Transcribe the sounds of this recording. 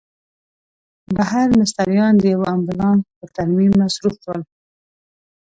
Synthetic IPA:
bahaɾmɪst̪aɾijɑnd̪əjawaambʊlɑnpəɾt̪aɾmimnasɾufwəl

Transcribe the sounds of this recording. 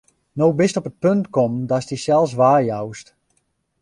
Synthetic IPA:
noːbɪstɔpət̚pøntkɔmdɔstisɛlˠs̬ʋaːrjawst

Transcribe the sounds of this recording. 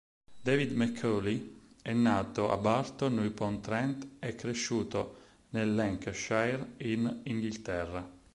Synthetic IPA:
d̪ɛvid̪mɛkʰːɔliɛnːaːt̪oʔa̰baɾt̪onujpɔnt̪ɾɛnt̪ɛkːɾeʃːuːt̪o | nelːɛŋkʃajɾiniŋɡilt̪ɛrːa

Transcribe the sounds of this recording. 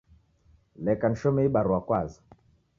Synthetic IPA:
lɛkan̩ʃɔmɛiɓaɾuwakwazḁ

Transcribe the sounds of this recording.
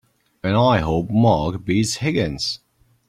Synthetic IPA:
ɨ̃naɪɦoʊp̚mɑːˑɡbiz̥hɪɡɨ̃nz̥

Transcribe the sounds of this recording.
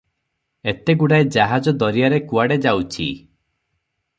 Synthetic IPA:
et̪eɡuɽaed͡ʒaɦad͡ʒɔd̪ɔɾijaɾekuaɽed͡ʒawt͡ʃʰḭ

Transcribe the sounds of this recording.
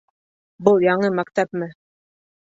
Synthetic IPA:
bulˠjɑɴɤmæk̚t̪æpmɘ

